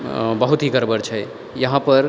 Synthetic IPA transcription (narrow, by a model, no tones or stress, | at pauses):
bəɦut̪ɦikəɾbəɾt͡ʃʰɛj | jəɦãpəɾ